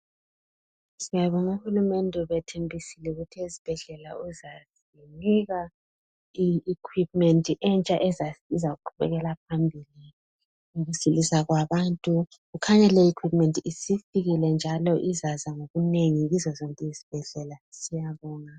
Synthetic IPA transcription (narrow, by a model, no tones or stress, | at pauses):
sijaβɔŋuhulumɛndʱɛβɛtʰembʱisilɛuɣutʰiesi̥b̥ʱɛɮɛlauzas | iniɣa | ikʰwip̚ʼmɛntʼiʔɛnt͡ʃʼaʔɛzizaɣuǃʰuβɛɣɛlap̚ʰambʱili | uɣusilisaɣwaβaːntʼu | ɣukʰaɲɛlɛikʰwipʼmɛntʼiisifiɣilɛnd͡ʒʱalɔʔizazaŋoɣuneŋiɣizɔzoŋkʼɛisi̥b̥ʱɛɮɛlasijaβɔːŋa